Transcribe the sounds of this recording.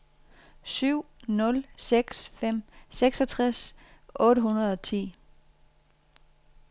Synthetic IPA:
syʊ̰nɔ̽lseɡ̥sfem̰seɡ̥sɒt͡sʰʁasʔɔ̽ːɾəɦunɐð̞ˠɒ̽t͡sʰḭː

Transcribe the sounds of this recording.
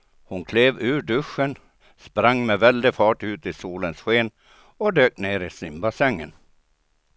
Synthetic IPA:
hʊnkʰleːvʉ̟ːɖɵʂːən | spɾaŋːmɛvɛld̪ɪfɑːʈʉ̟ːt̪ɪsuːlənsɧeːn | ɔd̪øːkneːɾɪsɪmbasɛŋːə̰n

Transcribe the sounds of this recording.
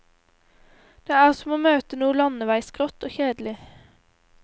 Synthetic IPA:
d̪̥eːæːʁsɔmoːmøːt̪ənuːəlɑnəʋæɪsɡ̥ʁɔt̪oːçeːd̪l̩ɪ

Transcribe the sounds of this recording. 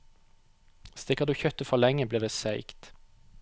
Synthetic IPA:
st̪ɪkəʁd̪ʉːçœt̪əfɔlɛŋəbliːʁd̪eːsæɪkt̪

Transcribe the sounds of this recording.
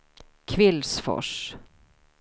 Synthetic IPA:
kʰvɪlsfɔ̰ʂ

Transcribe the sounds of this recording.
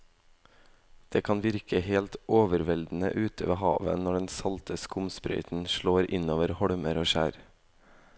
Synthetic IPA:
d̪̥eːkʰɑnʋɪɾkʰəheːlt̪oːʋəɾʋɛld̪n̩ə̰ʔʉːt̪ʰəʋeːhɑːʋə̰nɔɖɛnsɑlt̪əskʊmspɾœ̰ʏt̪n̩ʃɭoːɾʔɪnoːʋəɾhɔɽməɾoːʃæːɾ

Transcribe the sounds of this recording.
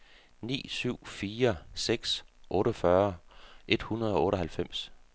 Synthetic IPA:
nḭːsyʊ̰fiːɐseɡ̥sʔɔ̽ːɾəfɶɐʔe̝d̥hunɐð̩ˠɒ̽ɔːɾəɦælfem̰s

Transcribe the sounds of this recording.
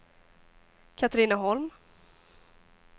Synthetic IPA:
kʰat̪ɾiːnaɦɔlm

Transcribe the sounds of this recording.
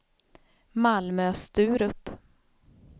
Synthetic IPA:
malmøːst̪ʉ̟ːɾɵpː

